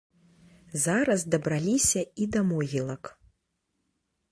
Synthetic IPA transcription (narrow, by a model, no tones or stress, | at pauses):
zaɾɐzd̪ɐbɾalʲisʲɐid̪ɐmɔɣʲilˠɐk